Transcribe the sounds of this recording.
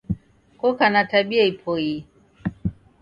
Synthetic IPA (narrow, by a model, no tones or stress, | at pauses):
kɔkanataɓiaipʰɔi